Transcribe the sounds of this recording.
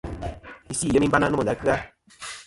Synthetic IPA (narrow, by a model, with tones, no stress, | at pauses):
i˦si˦˨ə˦mi˦ba˦na˦nɔ˦˨da˦kɨ˦a˦